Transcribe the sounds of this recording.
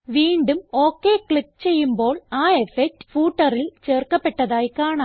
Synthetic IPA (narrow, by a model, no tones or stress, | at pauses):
ʋiːɳɖumoːkːeːkɭikːt͡ɕe̞jːumbo̞ːɭaːefek̚ʈːfuːʈːɐrilt͡ɕeːrkɐpːeʈːɐðaːjkaːɳaː